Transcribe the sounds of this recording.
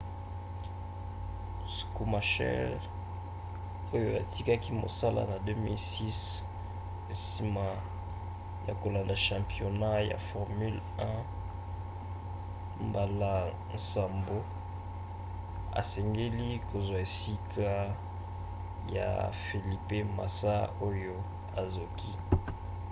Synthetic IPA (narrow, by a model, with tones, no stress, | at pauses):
sku˨ma˨ʃɛ̰˦l | o˦jo˦a˨ti˦ka˦ki˦mo̰˨sa˦la̰˦na˨dø˦mi˦lsi˦s | e˨si˦ma˦ | ja̰˨ko˨la˨nda˨ʃã˨mpjo˨na˦ja̰˨fɔ˨ʁmy˦l | ɛ̃˦ | mba˨la˦ | nsa˨mbo˦ | a̰˨sɛ˨ŋɡe˦li˦ko˨zwa˨e˨si˦kʰa˦ | ja̰˨fi˨li˨pe˦ma̰˨sa˦o˦jo˦ | a˨zo˨ki˦